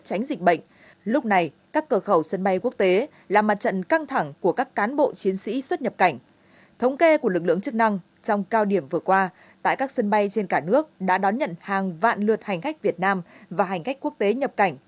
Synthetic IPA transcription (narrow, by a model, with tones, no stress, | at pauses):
t͡ɕa˨˦jŋ̟zï˨˩k̟̚ɓə̰˧˨ŋ̟ | lʊ˦˥k͡p̚na˨˩j | kaː˦˥kːəː˧˩xə˧˩wsə˧nɓa˧jku˦˥ək̚t̪e˨˦ | laː˨˩ma˨˩t̚t͡ɕə̰˧˨nka˧ŋt̪ʰa˧˩ŋku˧˩əkaː˦˥kːaː˨˦nɓo̰˧˨t͡ɕi˨˦ənsḭ˧˥swə˦˥t̚ɲə˨˩p̚ka˧˩jŋ̟ | t̪ʰə˨˦wŋ͡mke˧ku˧˩əlɨ˨˩k̚lɨ̰˧˨əŋt͡ɕɨ˦˥k̚na˧ŋ | t͡ɕɔ˧wŋ͡mkaː˧wɗi˧˩əmvɨ˨˩əkwaː˧ | t̪a̰ː˧˨jkaː˦˥k̚sə˧nɓa˧jt͡ɕe˧nkaː˧˩nɨ˦˥ək̚ɗa̰ː˧˥ɗɔ˨˦nɲə̰˧˨nhaː˨˩ŋva̰ː˧˨nlɨ˨˩ət̚ha˨˩jŋ̟ka˦˥k̚vi˨˩ət̚naː˧mvaː˨˩ɦa˨˩jŋ̟ka˦˥jk̚ku˦˥ək̚t̪e˨˦ɲə˨˩p̚ka˧˩jŋ̟